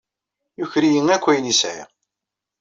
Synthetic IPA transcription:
juçɾijəŋækʷːæjnisḭ

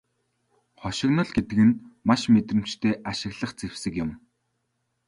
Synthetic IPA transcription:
χɔʃɪ̆knɞ̆ɮɡet̪ɘ̆ɣɘ̆nmaʃmet̪rɘ̆m̥t͡ɕt̪ʰeːʔaʃɪ̆ɣɮə̆χt͡sew̥sɘ̆kjʊm

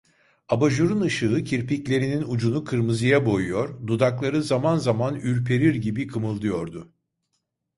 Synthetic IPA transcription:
abaʒuɾunɯʃɯɯcʰiɾpiclʲe̞ɾininud͡ʒunukʰɯɾmɯzɯjabo̞jujo̞ɾd̪ud̪aklˠaɾɯzamanzamanyɾpʰe̞ɾiɾɟibikʰɯmɯlˠd̪ɯjo̞ɾd̪ʊ

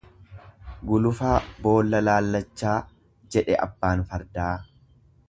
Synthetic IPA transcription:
ɡʊlʊfaːbo̞ːlːɐlaːlːɐt͡ʃːaː | d͡ʒɛᶑɛʔɐ̰bːaːnfɐɾd̪aː

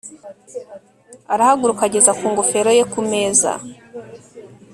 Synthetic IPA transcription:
aɾahaɡuɾukaɟe̞zakuːŋɡofe̞ɾo̞je̞kume̞ːza̰

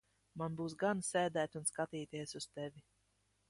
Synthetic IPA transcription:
manbuːsɡansʲɛːd̪æːt̪ʲunskat̪iːt̪iɛsust̪ɛvʲi

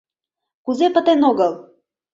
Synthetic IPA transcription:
kuzɛpət̪ɛnoɡəlˠ

